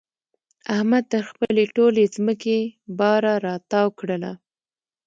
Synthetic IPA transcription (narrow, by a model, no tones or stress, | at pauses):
ahmad̪̚t̪əɾxpəleʈolezməkebɑɾaɾɑt̪ɑwkɽəla̰